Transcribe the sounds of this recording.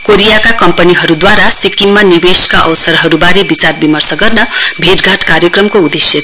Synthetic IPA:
koɾijakakʌmpʌniɦʌɾud̪waɾasikimːanibeskaʔʌwsʌɾɦʌɾubaɾebit͡sarbimʌrsʌɡʌrnʌbʱeʈɡʱaʈkaɾjʌkrʌmkoud̪esjʌt̪

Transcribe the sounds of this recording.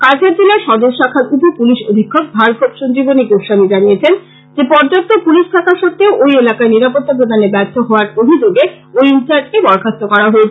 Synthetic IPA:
kat͡ɕʰaɾd͡ʑelaɾʃɔd̪oɾʃakʰaɾupopuliʃo̰d̪ʱikʰːok̚bʱaɾkʰot̪ʃond͡ʑiboniɡoʃamid͡ʑanijet͡ɕʰen | d͡ʑepɔɾd͡ʑot̪ːopuliʃʈʰakaɾʃɔt̪ːeoʔojelakaeniɾapot̪ːapɾod̪ʱanebɛɾt̪ʰːoɦɔoaɾpoɦid͡ʑoɡe | ojunt͡ɕaɾɖ̚kebɔɾkʰast̪okɔɾaɦoet͡ɕʰe

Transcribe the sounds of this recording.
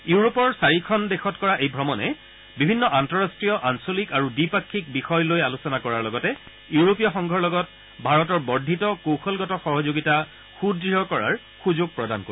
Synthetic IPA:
uɹopɔɹsaɹikʰɔndexɔtkɔɹaʔejbʱɹɔmɔnɛ̰ | bibʱinːɔʔantɔɹastɹijɔʔansolikaɹudipakʰːik̚bixɔjlojalusɔnakɔɹaɹlɔɡɔtɛ | iuɹopijɔxɔŋɡʱɔɹlɔɡɔt̚ | bʱaɹɔtɔɹbɔɹdʱitɔkowxʰɔlɡɔtɔxɔɦɔzoɡita | xudɹiɦɔkɔɹa̰ɹ | xuzoɡ̚pɹɔda̰nko

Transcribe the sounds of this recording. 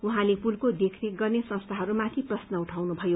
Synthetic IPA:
uɦãlepulkod̪ekʰneɡʌrnesʌ̃nst̪ʰaɦʌɾumãt̪ʰiprʌsnʌuʈʰawnubʱʌjo

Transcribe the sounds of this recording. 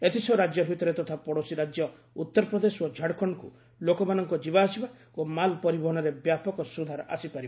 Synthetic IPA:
et̪isʰɔɾad͡ʒjɔbʱit̪ɔɾet̪ɔt̪ʰapɔɽosiɾad͡ʒjɔ | ut̪ːɔɾɔpɾɔd̪esod͡ʒʱaɽkʰɔɳ̃ɔkṵ | lokɔmanɔŋkɔd͡ʒibaːsiba | omalpɔɾibɔɦɔɽ̃ɔɾebjapɔkɔsud̪ʱaɾa̰sipaɾib

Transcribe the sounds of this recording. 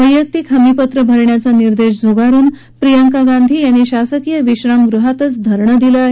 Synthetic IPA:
əjək̚t̪iːkʰəmipət̪ɾəbʱəɾɳjat͡saniɾd̪eɕd͡zʱuɡaɾuːn | pɾijəŋkaɡãnd̪ʱiːjanːiɕasəkijəʋiɕɾamɡɾuɦat̪ət͡sd̪ʱəɾɳəd̪ilaɦ

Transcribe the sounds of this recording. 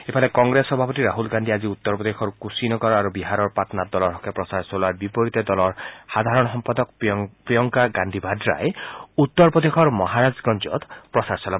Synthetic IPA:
epʰalekɔŋɡɾesɔbʱapɔt̪iɾaɦulɡand̪iad͡ʒiut̪ːɔɾpɔd̪exʰɔɾkusinɔɡɔɾaɾubiɦaɾɔɾpat̪nad̪ɔlɔɾɦɔkepɾɔsaɾsolaɾbipoɾit̪ed̪ɔlɔɾhad̪ʱaɾɔɽ̃ɔɦɔmpad̪ɔkppɾijɔŋkaɡand̪ʱibʱadɾa̰eut̪ːɔɾpɔd̪ekʰɔɾmɔɦaɾad͡ʒɡɔnd͡ʒɔ̰t̪pɾɔsaɾsɔla

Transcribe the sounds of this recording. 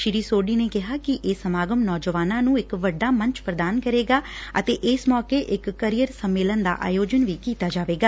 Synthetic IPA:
ʃɪɾiːsoːɖiːneːkɪɦaːkɪʔeːsəmaːɡəmnɔːd͡ʒəʋaːnãːnũːɪkʋəɖːaːmə̃ɲt͡ʃpɾəd̪aːnkəɾeːɡaːət̪eːʔɪsmɔːkeːʔɪkːəɾijəɾsəmːeːlənd̪a̰ːʔa̰ːjoːd͡ʒənʋiːkiːt̪aːd͡ʒaːʋeːɡaː

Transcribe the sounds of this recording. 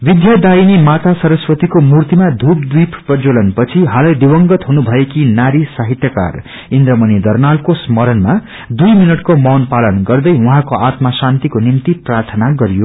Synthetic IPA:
bid̪jad̪ainimat̪ʰasʌɾʌswʌt̪ikomurt̪imad̪ʱup̚d̪wipʰpʌd͡zolʌnpʌt͡sʰiɦalʌjd̪iwʌŋɡʌt̪ɦunubʱʌekinaɾisaɦit̪jʌka̰r | ind̪ɾʌmʌnid̪ʌrnalkosmʌɾʌnma | d̪ujminʌʈkomʌwnpalʌnɡʌrd̪ʌjuɦãkoʔat̪masant̪ikonimt̪iprart̪ʰʌnaɡʌɾijo

